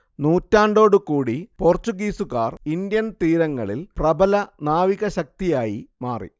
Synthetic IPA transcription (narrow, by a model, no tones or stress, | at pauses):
nuːtːaːɳɖo̞ːɽukuːɽipo̞ːrt͡ɕuɡiːsukaːrind̪jɐnt̪iːɾɐŋːɐɭḭlprɐbɐlɐnaːʋiɣɐɕɐk̚t̪ijaːjimaːrḭ